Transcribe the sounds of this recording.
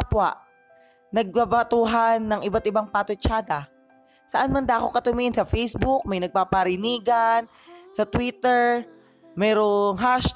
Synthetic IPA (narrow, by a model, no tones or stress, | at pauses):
pwaʔ | nɐɡ̚pabat̪uːɦanːɐŋʔɪbat̪̚ɪbaŋpaːt̪ot͡ʃaːd̪ɐ | sɐʔanmɐnd̪aʔko̞kɐt̪ʊmiːʔɪnsɐfɛjsbʊk̚mɐjnɐɡ̚papɐɾɪniːɡan | sɐt̪wit̪ɛɹ | mɛːɾoŋɦaʃ